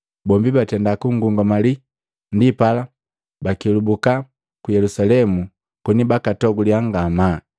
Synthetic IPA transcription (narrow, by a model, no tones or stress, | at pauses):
bɔmbibatɛndakuŋɡuŋɡɔmali | ndipala | bakilubuka | kujɛlusalɛmu | kunibakatɔɡuliaŋɡama